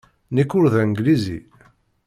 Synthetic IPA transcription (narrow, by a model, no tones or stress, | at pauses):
nikːʊɾðæŋɡlizḭ